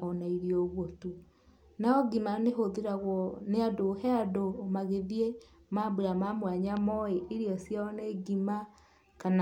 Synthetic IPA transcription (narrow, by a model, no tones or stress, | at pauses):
ɔnaiɾijoɣwotu | naɔɡimaneɦoðeɾaɣwɔneadohɛadomaɣeðie | mabeɾamamwaɲamɔeʔeɾjɔsjaɔneɡima | kana